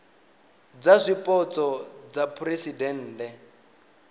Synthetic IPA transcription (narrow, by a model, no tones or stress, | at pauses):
d͡zaʂʷipʼɔt͡sʼɔd͡zapʰuresidɛn̩ːtɛ